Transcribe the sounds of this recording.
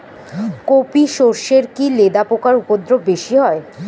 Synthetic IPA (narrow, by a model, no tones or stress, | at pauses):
kopiʃoɾʃeɾkiled̪apokaɾupod̪ɾob̚beʃiɦɔe